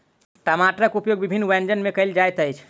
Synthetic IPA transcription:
ʈəmaʈɾəkupjoɡ̚bibʱinːʋɛnd͡ʒənmekəjld͡ʒajt̪əjt͡ʃʰ

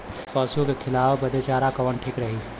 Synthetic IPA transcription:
pəsukekʰɪlaːwbəd̪et͡ʃaːɾakəʋənʈʰikɾəɦi

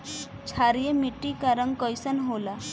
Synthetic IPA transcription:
t͡ɕʰaɾjemiʈikaɾəŋkəjsənɦola

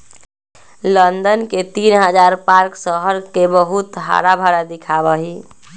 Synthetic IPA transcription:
lənd̪ənket̪inɦəd͡ʒaɾpaɾksəɦəɾkebəɦut̪ɦa̰ɾabʱaɾad̪ikʰabəɦi

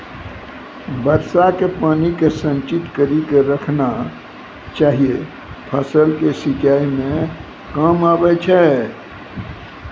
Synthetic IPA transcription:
bəɾsakepaːnikesə̃nt͡ʃit̪kəɾikeɾəkʰna | t͡ʃaːɦije | pʰəsəlkesit͡ʃaːimẽ | kamabɛt͡ʃʰɛ

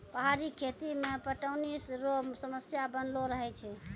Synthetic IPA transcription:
pəɦaɾikʰet̪imepəʈəwnisɾosəməsjabənloɾəɦɛt͡ʃʰɛ

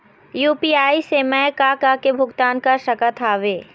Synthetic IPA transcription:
juːpiːaːisemɛ̃kakakebʱʊɡt̪aːnkaʃɐkat̪ʰaːʋeː

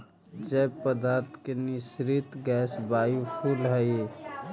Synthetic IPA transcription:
d͡ʒɛpəd̪aːɾt̪ʰkenisɾɪt̪ɡɛːsbajupʰulɦəje

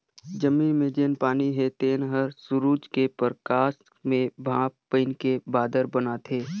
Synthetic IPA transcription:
d͡ʒəmːĩnmẽd͡ʒeːnpaːniɦet̪eːnɦəɾsʊɾuːd͡ʒkepəɾkaːs | mẽbʱãːppəɪnkebaːd̪əɾbənat̪ʰeː

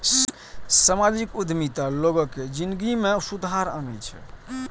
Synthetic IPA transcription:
səmad͡ʒikud̪ʱmit̪aloɡəked͡ʒinɡimesud̪ɦaɾa̰nəjt͡ʃʰɛ̰

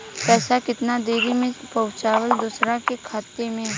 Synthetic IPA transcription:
pɛːsakɪt̪nad̪eːɾimẽpɐʊ̃t͡ʃaːwəld̪usɾãkekʰaːt̪ːemẽ

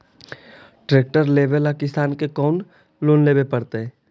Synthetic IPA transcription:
ʈɾeːk̚ʈəɾleːbelakɪsaːnkekɔːn | loːnleːbepɐɽt̪eɦɛ̃ː

